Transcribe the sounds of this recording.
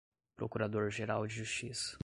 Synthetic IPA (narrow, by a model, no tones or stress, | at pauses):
pɾokuɾad̪oɾʒeɾawd͡ʒɪʒust͡ʃisɐ̥